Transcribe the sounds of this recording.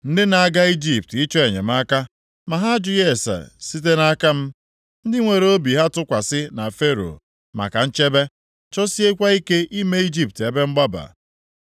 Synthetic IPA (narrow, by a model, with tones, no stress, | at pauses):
n̩˦dɪ˦na˨a˦˨ɡa˦i˦d͡ʒi˦˨p̚ti˦t͡ʃɔ˦e˨ɲḛ˨m̩˦a˦ka˦ | ma˨ɦa˦d͡ʒʊ˦je˦˨sa̰˨si˦t̬e˦na˦ka˦m̩˦ | n̩˦dɪ˦ŋʷe˨ɾe˨o˦bi˨ɦa˦tʊ˦kʷa˨sɪ˦na˨fe˦ɾo̰˨ | ma̰˨ka˨n̩˦t͡ʃe˦be˦ | t͡ʃɔ˦si˦e˦kʷa˦i˦ke˦ʔi˦me˦i˦d͡ʒi˦p̚te˨˦be˦ŋ͡m̩˦ɡ͡ba˦ba̰˨